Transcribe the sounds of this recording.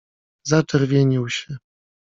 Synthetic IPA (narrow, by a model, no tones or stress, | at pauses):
zat͡ʂɛɾvʲjeɲiwɕɛ